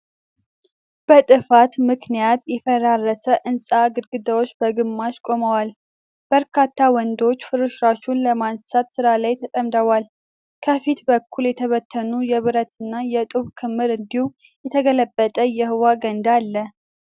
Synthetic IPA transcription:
b̥ət̪ʼɨfat̪mɨknijat̪jɛfəɾarːəsəʔɨnsʼaɡɨɾɡɨd̪əwot͡ʃːbəɡɨmːaʃkʼoməwal | b̥əɾkʰat̪ʰːawɔnd̪o̞t͡ʃːfɨɾɨʃɾaʃunləmansat̪sɨɾalajt̪ʰət̪ʼəmd̪əwal | kʰəfit̪bəkʰːuljɛt̪ʰəβət̪ʰːənujɛβɨɾət̪ɨnːajɛt̪ʼuβkʰɨmːɨɾɨnd̪ihu | jɛt̪ʰəɡələbːət̪ʼəjɛhɨwaɡənd̪alːə

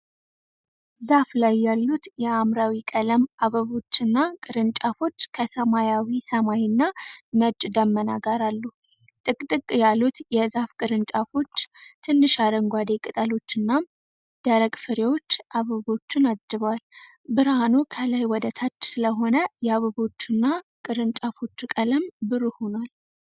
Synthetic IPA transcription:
zaflajːalːut̪jɛamɾawikʼələmaβəβo̞t͡ʃːɨnːakʼɨɾɨnt͡ʃʼafo̞t͡ʃːkʰəsəmajawisəmajɪnːanət͡ʃʼːd̪əmːəna̰ɡaɾalːu | t̪ʼɨkʼt̪ʼɨkʼjalːut̪jɛzafkʼɨɾɨnt͡ʃʼafo̞t͡ʃːt̪ʰɨnːɨʃad̪əŋɡʷad̪e̞kʼɨt̪ʼəlo̞t͡ʃːɨnːa | d̪̥əɾəɡʼfɨɾewo̞t͡ʃːʔaβəβo̞t͡ʃːɪnad͡ʒːɨβwal | bɨɾanukʰəlajwɔd̪ət̪ʰat͡ʃːsɨləɦo̞nəjɛaβəβo̞t͡ʃːɨnːakʼɨɾɨnt͡ʃʼafo̞t͡ʃːukʼələmbɨɾuho̞nwal

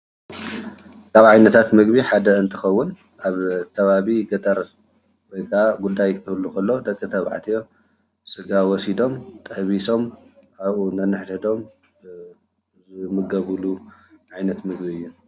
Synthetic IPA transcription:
kaβʕajnɐt̪ʰat̪mɨɡbiħad̪ɐɨnt̪ʰɨxɐwːʊn | aβkʰɐβaβiɡɐt̪ʼɐɾ | wɔjkʰaɡud̪ajkʰɨhɨlːukɐlːod̪ɐkʼːɨt̪ʰɐβʕa̰t̪ʰijo̞ | sɨɡawɔsid̪o̞mt̪ʼɐβiso̞maβʔunɐnːɨħd̪d̪o̞m | zmɨɡɐβɨluʕajnɐt̪mɨɡbiɨjːu

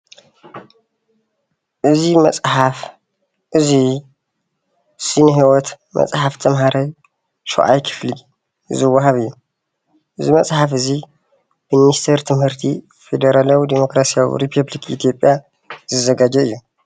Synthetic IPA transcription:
ʔɨzimɐ̰t͡sʼħaf | ʔɨzi | sinɨɦiwɔt̪ | mɐ̰t͡sʼħaft̪ʰɐmɦaɾaj | ʃṵʔa̰jkʰɨ̥fli | ɨzɨwːaɦaβɨjːu | ʔɨzimɐt͡sʼħafɨzi | bɨminist̪ʰɐɾt̪ʰɨmhɨɾt̪ʰi | fed̪ɐɾalawid̪emo̞kɾasijawḭɾipʰɐblikit̪ʰijo̞pʼja | z̥ɨzɐɡad͡ʒɐɨjːu

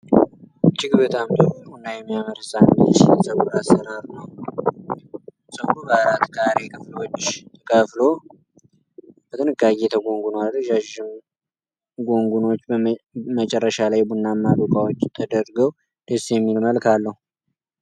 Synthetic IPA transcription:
t͡ʃːɪɡɨβət̪ʰamd̪ohunːajɛmːijaməɾɨsʼand̪ɨsinsʼəɡuɾasəɾaɾunəw | sʼəɡɾubəɾat̪kʰaɾekʰəflwɔt͡ʃːɪʃkʰʼəflo | b̥ət̪ʰʼɨnɨɡaɡet̪ʰəɡo̞ŋɡunoalːəʒaʒɪm | ɡo̞ŋɡuno̞t͡ʃːmət͡ʃʼɛrːəʃalajbunːamːad̪ukʼawot͡ʃːt̪ʰəd̪əɾɡəw | d̪̥esjɛmːilməlkʰalːəhu

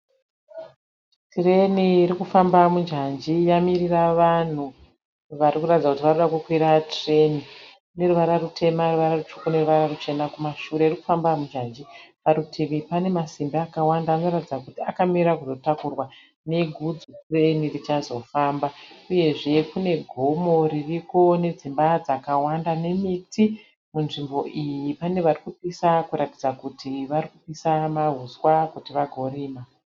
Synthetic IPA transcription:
tire̞niːɾikufambamud͡ʒand͡ʒijamiriraʋan̤u | ʋarikuratid͡zakutiʋanoɗakukwiɾatre̞ni | ne̞ruʋaɾarutʰe̞maruʋaɾarut͡ʃu̥kune̞ruʋaɾarut͡ʃe̞nakumaʃuɾe̞iriku̥fambamud͡ʒand͡ʒipaɾutʰiʋipane̞masimbaːkawandaːno̞ratid͡zakutiakamiɾak̬uzo̞takurwa | ne̞ɡʱud͡zukurenirit͡ʃazo̞faːmbauje̞ʐe̞kune̞ɡʱo̞mo̞ririko̞ne̞d͡zimbad͡zakawandane̞miti | munʐimbo̞ʔijipane̞ʋarikupisakuɾati̥d͡zakutʰiʋarikupisamaɦuzwakutiʋaɡʱo̞riːma

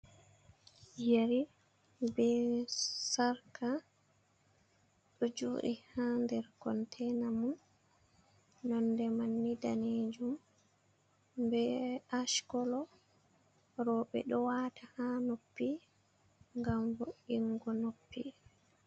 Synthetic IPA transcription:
jaɾi | bɛ | saɾka | ɗɔd͡ʒo̰ːʔihandɛɾkɔntʰɛnamun | ɔndɛmanːidaned͡ʒum | bɛaʃkɔlɔ | ɾɔɓɛ̰ɗɔwaːtahanopːi | ŋɡamvoʔiŋɡɔnopːi

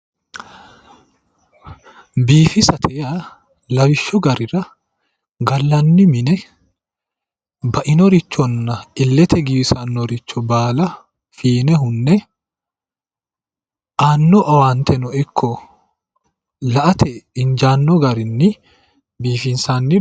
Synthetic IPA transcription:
biːfɪsɐt̪ʰɛjɐ | lɐwɪʃːɔɡɐɾɪɾɐ | ɡɐlːɐnːɪmɪnɛ | bɐʔɪnɔɾɪt͡ʃːɔnːɐʔɪlːɛt̪ʰɛɡibsanːɔɾɪt͡ʃːɔbaːlɐ | fiːnɛɦʊnːɛ | ʔaːnːɔʔɐwaːnt̪ʰɛnɔʔɛkʰːɔ | lɐʔɐt̪ʰɛɪnd͡ʒaːnːɔɡɐɾɪnːɪ | biːfɪnsaːnːɪ

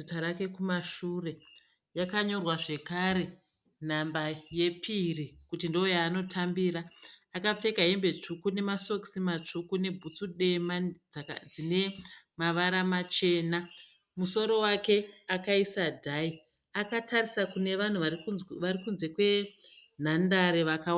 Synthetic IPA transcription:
itaɾake̞kumaʃure̞ | jakaɲo̞rwaʐe̞kaɾe̞ | n̤ambaje̞pʰirikutindoojaːno̞tʰambiːɾaːkap͡fe̞kaɦembe̞t͡ʂukune̞maso̞ksimat͡ʂukune̞bʱut͡suɗe̞mad͡zd͡zine̞maʋaɾamat͡ʃe̞ːna | muso̞ɾo̞wake̞akaisadʱai | akatʰarisakune̞ʋan̤uʋaʋarikunze̞kwe̞n̤andaɾeʋakawa

